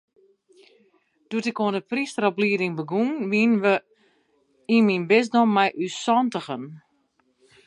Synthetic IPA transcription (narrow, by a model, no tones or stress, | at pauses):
d̥uətɪkoəndəpristərɔbliədɪŋbəɡunʋiənʋə | iminbɪs̬dɔmɛjʔysɔntəɣən